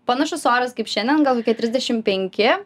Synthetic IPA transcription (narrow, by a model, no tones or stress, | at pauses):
pɐnɐʃʊsoːɾɐskɐɪpʃʲɛnʲd̪ʲɛnɡɐlˠkoːkʲiɛt̪ʲɾʲɪzʲdʲɛʃʲɪmpʲɛŋʲkʲɪ